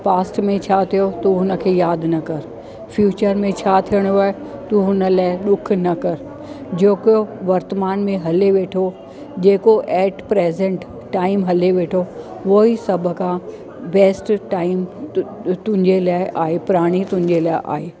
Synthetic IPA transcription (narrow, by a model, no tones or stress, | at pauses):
paːsʈmẽt͡ɕʰaːt̪ʰijot̪oɦʊnə̆kʰeːjaːd̪ʱnɐkɐɾ | fʰjuːt͡ɕəɾmẽt͡ɕʰaːt̪ʰijəɽ̃ʊʋaːet̪uɦʊnə̆laːɪɗʊkʰnɐkɐɾ | d͡ʑeːkjoʋɐɾt̪əmaːnmẽɦɐleʋeːʈʰo | d͡ʑeːkoʔɛːʈpɾeːzẽɳʈː | aːɪmɦɐleʋeːʈʰo | ʋoisɐbʱəkʰã | bɛːsʈʈaːɪm | t̪ʊ̃ɦɪ̃ɲd͡ʑelaːɪʔaːɦepʊɾaːɽ̃it̪ʊ̃ɦɪ̃ɲd͡ʑelaːɪʔa̰ːɦeː